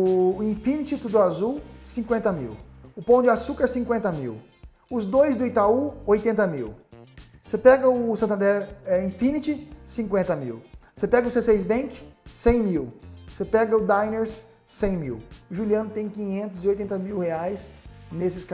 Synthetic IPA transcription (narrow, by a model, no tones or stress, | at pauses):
ʊĩfĩnit͡ʃɪt̪ud̪ʊazuwsĩŋkwẽnt̪ɐmḭwʊpɐ̃w̃d͡ʒɪasukɐɾsĩkwẽnt̪ɐmḭw | ʊzd̪ojzd̪ʊit̪auojt̪ẽnt̪ɐmḭw | sepɛɡɐʊʊsɐ̃nt̪ɐ̃nd̪ɛɾɛĩfĩnit͡ʃɪsĩŋkwẽnt̪ɐmḭwsepɛɡɐʊsesejzbẽkɪ̥sẽj̃miwsepɛɡɐʊd̪ajneɾsː | ẽj̃mḭwʊʒuliɐ̃nʊt̪ẽj̃kĩɲẽnt̪ʊzɪojt̪ẽnt̪ɐmiwheajsnesɪsk